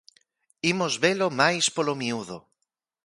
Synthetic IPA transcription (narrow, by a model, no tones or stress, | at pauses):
imozβelomajspolomiuðo